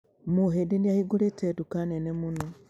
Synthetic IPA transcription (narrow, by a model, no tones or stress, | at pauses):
muɦedeniahiɡuletedukanenemuno